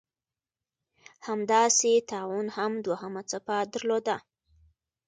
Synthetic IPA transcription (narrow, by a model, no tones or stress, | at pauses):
hamd̪ɑset̪ɑwunhamd̪wahəmat͡sapad̪aɾlod̪a